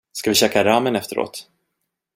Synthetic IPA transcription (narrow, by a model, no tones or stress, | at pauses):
skavɪɕɛːkaɾaːmənɛft̪əɾo̰ːt̪